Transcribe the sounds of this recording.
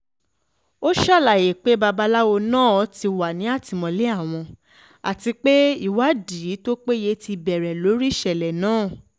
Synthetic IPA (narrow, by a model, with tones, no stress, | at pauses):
o˦ʃa˦˨la˨je˨k͡pe˨˦ba˧ba˦la˦wo˧nãː˦˨ɔ˧ti˧wa˨nĩ˨˦a˦˨ti˨˧mɔ̃˧le˦a˦˨w̃ɔ̃˧ | a̰˨ti˧k͡pe˦i˦˨wa˨˦diː˨˦to˦k͡pe˦je˧˦ti˧bɛ˨ɾɛ˨lo˨˦ɾi˦˨ʃɛ˨lɛ˨nãː˦˨